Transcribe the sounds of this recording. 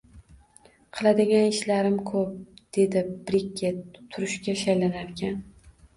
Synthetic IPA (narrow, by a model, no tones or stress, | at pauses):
qʰɨlˠad̪ɪɡʲanɪʃlaɾɪmkʰɵp̚d̪̥e̞d̪ɪbɾɪkʲːat̪ʰʊɾɪʃkʲaʃajlanaɾkʲʰan